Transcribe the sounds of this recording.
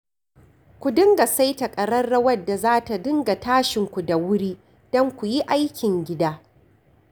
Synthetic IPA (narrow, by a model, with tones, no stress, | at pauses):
kʷu˨dɪ˦ŋɡa˨sa˦jtɐ˨kʼɐ˨ɽɐ˦rːɐ˦wɐ˦dːa˨zaː˦ta˨dɪ˦ŋɡa˨taː˦ʃɪ˨ŋkʷu˨da˨wʊ˦ɽiː˦ | d̥ɔ˦ŋkʷu˨ji˦ʔa˦jkʲɪ˨ŋɡʲɪ˦daː˦